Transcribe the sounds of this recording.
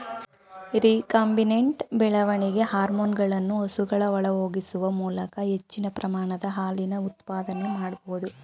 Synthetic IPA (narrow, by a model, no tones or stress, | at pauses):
ɾiːkaːmbineɳʈbɛɭɐʋɐɳiɡe̞haːɾmoːnɡɐɭɐnːuɐsuɡɐɭɐʋɐɭɐɦoːɡisuʋɐmuːlɐkɐɦet͡ʃːinɐpɾɐmaːɳɐd̪ɐɦaːlinɐut̪paːd̪ɐnemaːɽboud̪u